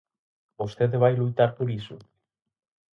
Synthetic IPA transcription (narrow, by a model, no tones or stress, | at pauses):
bost̪eðeβajlujt̪aɾpoɾiso